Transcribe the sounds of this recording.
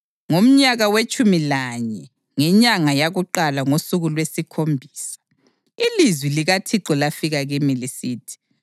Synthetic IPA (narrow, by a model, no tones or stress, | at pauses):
ŋom̩ɲaɣawet͡ʃʼumilaɲɛ | ŋɛɲaŋajaɣuǃalaŋosuɣulwesikʰombʱiːsḁ | ilizwiliɣatʰiǁɔlafiɣaɣimilisiːtʰi̥